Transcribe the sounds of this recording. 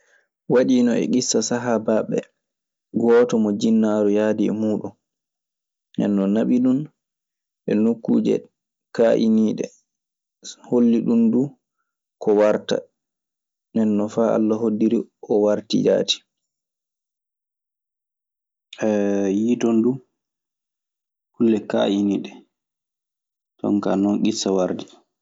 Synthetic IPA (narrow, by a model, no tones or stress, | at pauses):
waɗiːnɔɛ̰ɡisːasaɦabaɓɛ̰ | ɡɔːtɔmɔd͡ʒinːaɾujaːdiɛ̰muːɗṵn | nɛ̰nːɔnaɓiɗun | ʔɛnukːuːd͡ʒɛ̰ | kaʔiniːɗɛ̰ | holːiɗundu | kɔwaɾta̰ | nɛnːɔfaa̰lːaɦodːiɾiɔwaɾtḭja̰ti̥ | ɛjidɔndu | hulːɛka̰ʔiniːɗɛ | tɔ̰ŋkanɔnɡisːawaɾdi